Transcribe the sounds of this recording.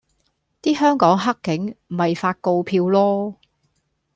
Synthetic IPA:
t̪iː˥hœː˥ŋkɔː˨˥ŋɦɐ˥kːɪ˨˥ŋm̩˨˩hɐ˨jfaː˧t̚ko˧wpʰiː˧wlɔː˥

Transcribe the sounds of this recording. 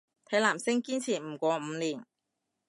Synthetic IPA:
t̪ʰɐ˨˥jlaː˨˩msɪ˥ŋkiː˥nt͡sʰiː˨˩m̩˨˩kʷɔː˨˧m̩ː˨˧liː˨˩n

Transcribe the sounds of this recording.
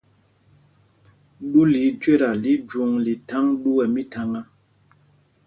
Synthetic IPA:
ɗu˦li˨˦d͡ʒwe˦˨ɾa˨li˦d͡ʒu˨ŋli˨ta˦ŋɗu˦wɛ˨mi˦ta˦ŋa˦

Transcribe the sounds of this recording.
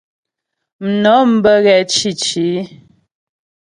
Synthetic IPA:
m̩˨nɔ˨˦m̩˦bə˦ɣɛ˨t͡ʃi˦˨t͡ʃi˨˦

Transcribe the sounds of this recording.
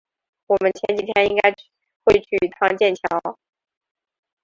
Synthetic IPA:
wɔ˨˩mə˦nt͡ɕʰjɛ˧˥nt͡ɕi˨˩t̪ʰjɛ˥ni˥ŋka˥ɪ | xwe˥˧ɪt͡ɕʰy˥˩˨t̪ʰɑ˥ŋt͡ɕjɛ˥˩nt͡ɕʰjɑ˧˥ʊ

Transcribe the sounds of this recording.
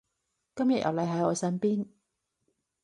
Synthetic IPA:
kɐ˥mjɐ̰˨t̚jʔɐ̰˨wlɐ˨˧jɦɐ˨˥jɔː˨˧sɐː˥npiː˥n

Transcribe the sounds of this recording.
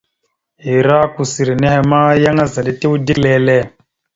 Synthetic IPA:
ɦi˨ɾa˦ku˨si˨ɾi˨nɛ˦ɦɛ˨ma˦ja˦ŋa˦za˨ɗi˦te˦u˦di˦lɛː˦lɛ˦

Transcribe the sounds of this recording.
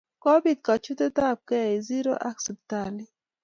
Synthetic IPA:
kɔ˦bi˨d̪̚ka˨t͡ʃu˦t̪e˦t̪a˦˨b̚kɛ˦e˨zi˦ɾo̰˦ʔa˦ksɛ˨p̚ta˨li˦

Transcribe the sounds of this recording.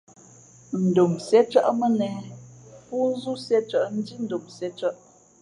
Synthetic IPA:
n̩˨do˨msɛ˦t͡ʃə˦ʔmə˦nɛ˨pu˦n̩˦zu˦sɛ˦t͡ʃə˦ʔn̩˦di˦n̩˦do˨msɛ˦t͡ʃə˦ʔ

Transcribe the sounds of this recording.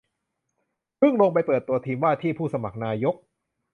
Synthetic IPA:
pʰɯ˥˩ŋlo˧ŋp̬a˧jpɤː˨˩t̪ːu˧ɐt̪ʰiː˧mwaː˥˩t̪ʰiː˥˩pʰuː˥˩sa˧ma˨˩k̚naː˧jo˦˥k̚

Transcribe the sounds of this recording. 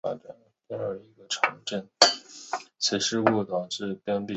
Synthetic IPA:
a̰˨˩ʈ͡ʂa˧˩n˥t̪a˥ə˞˧˩i˧˥ɡə˧ʈ͡ʂʰɤ˧˥ŋʈ͡ʂə˥˩n | t͡ɕʰi˧˥ʂɻ̩˥˧ku˥˩t̪ɑ˨˩ʊʈ͡ʂɻ̩˥˩pjɑ˥npi˥˨

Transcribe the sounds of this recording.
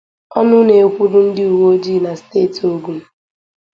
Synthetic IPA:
ɔ˦nʊ˦ne˨kʷu˦ɾʊ˦n̩˦dɪ˦u˨wo˦d͡ʒi˦˨na˨steː˦˨to˦ɡu˨m̩˦

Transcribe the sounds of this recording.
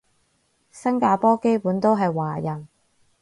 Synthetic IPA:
sɐ˥ŋkaː˧pɔː˥ke˥jpuː˨˥nt̪o˥wɦɐ˨jwaː˨˩jɐ˨˩n

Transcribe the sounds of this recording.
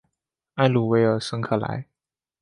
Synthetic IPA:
a˥˧ɪlu˨˩we˧˥ɪə˞˨˩sɤ˧˥ŋkʰɤ˨˩la̰˧˥ɪ

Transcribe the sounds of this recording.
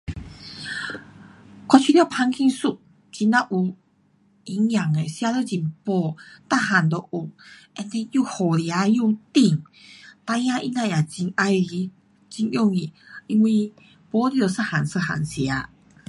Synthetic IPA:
kɔ˧t͡ɕʰui˧t̪pʰa˧ŋkʰi˧nsu˧˨ʔ̚ | t͡ɕi˧˦na˧ʔu˨˩ | i˨˧˦ŋj̃a˨˩ŋe˨˩sja˧lo˧d͡ʑi˨˩mpɔ˧˦t̪a˥˧ɦa˨˩nd̪o˨ʔu˨˩ŋ | ɛ˧nt̪ɛ˧ju˥˧hɔ˨˩lja˨˦ju˥˧t̪i˧˩ŋ | t̪a˧jã˧ʔḭ˧na˧˨ja˨˩t͡ɕi˧na˧ji˧˦ | t͡ɕi˧ŋjɔ˥˧˨ŋi˨˩ | i˧ŋwi˧ | pɔ˧˦li˧o˨˧˨sa˦˧ha˨˩nsə˧ha̰˨˩nsja˨˧˦

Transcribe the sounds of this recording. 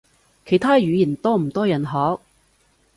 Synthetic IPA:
kʰe˨˩jt̪ʰaː˥jyː˨˧jiː˨˩nt̪ɔː˥m̩˨˩t̪ɔː˥jɐ˨˩nɦɔː˨˥k̚

